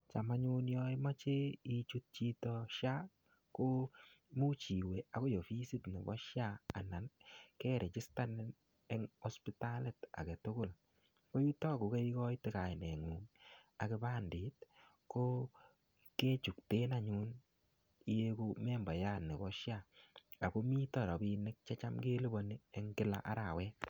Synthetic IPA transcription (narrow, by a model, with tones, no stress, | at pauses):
t͡ʃa˨ma˦ɲu˦njɔ˦i˦ma˦t͡ʃe˦i˦t͡ʃu˦t̚t͡ʃi˦tɔ˧ʃja˦ | ko˦mu˦t͡ʃi˨we˨a˨ko˦jo˨fi˦si˦tnɪ˨bɔ̰˦ʃja˦a˨na˨nkɛ˦ɾe˨t͡ʃɪ˦sta˦nɛ˦n | ɛ˦ŋɔ˦spi˦ta˦le˨ta̰˨ke˨tʊ˦kʊ˦˨l | ko˦ji˦tɔ˦ko˨ke˦i˦kɔ˦jtɪ˦ka˨jnɛ˨ŋu˨ŋa˨kɪ˧ba˦ndi˨t̚ | ko˦ | ke˦t͡ʃu˨k̚te˦na˨ɲu˦n | i˦je˦ku˦mɛ˦mba˨ja˦ne˨bɔ˦ʃja˦˨a˨ko˦mi˦tɔ˨ɾɔ˨bi˦nɪ˦k̚t͡ʃɛ˦t͡ʃa˦mke˦li˦bo˨ni˦e˦ŋkɪ˦la̰˨ʔa̰˦ɾa˨wɛ˦